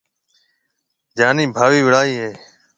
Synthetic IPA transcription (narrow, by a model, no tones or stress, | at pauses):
d͡ʒaːniːbʱaːʋiːʋɪɽaːiːɦeː